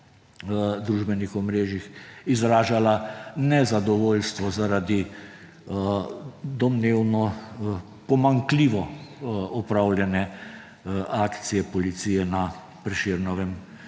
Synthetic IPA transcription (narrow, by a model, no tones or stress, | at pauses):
d̪ɾuʒbɛnixɔmɾeːʒixizɾaːʒalanɛzad̪ɔʋoːlst̪ʋɔzaɾad̪i | d̪ɔmneːwnɔ | pɔmaŋkliːʋɔ | ɔpɾawlʲjɛnɛ | ʔaːkt̪sijɛpɔlit̪sijɛna | pɾɛʃeːɾnɔʋɛm